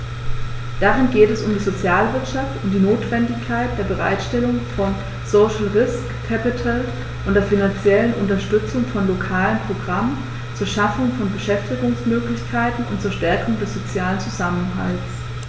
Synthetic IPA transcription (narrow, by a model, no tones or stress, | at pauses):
d̥aʁɪnɡeːtɛsʊmdiːzot͡sjaːlvɪɐtʃaftʊntd̥iːnoːtv̥ɛndɪçkʰaɪt̚d̥eːɐbəʁa̰ɪtʃtɛlʊŋfɔn | soʊʃl̩ʁɪskʰːɛpɪtʰal | ʔʊntd̥eːɐfinant͡sjɛlənʔʊntɐʃtʏt͡sʊŋfɔnlokʰaːlənpʁ̥oɡʁamən | t͡suːɐʃafʊŋfɔnbəʃɛftɪɡʊŋsmøːklɪçkʰaɪtn̩ʔʊ̰ntt͡suːɐʃtɛɐkʰʊŋdɛsz̥ot͡sjaːlənt͡suzamənɦa̰ltt͡s